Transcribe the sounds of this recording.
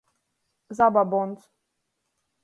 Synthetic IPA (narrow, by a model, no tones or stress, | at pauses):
zababɔnt͡s̪